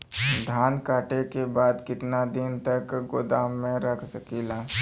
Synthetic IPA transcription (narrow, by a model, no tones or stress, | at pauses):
d̪ʱaːnkaːʈekebaːd̪kɪʈ̪nad̪ɪnt̪ɐkɡʊd̪aːmːẽɾɐkʰsɐkiːlaː